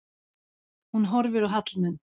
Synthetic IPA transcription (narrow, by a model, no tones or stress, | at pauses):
hunɦɔɾvʏɾœɦat̪lnʏn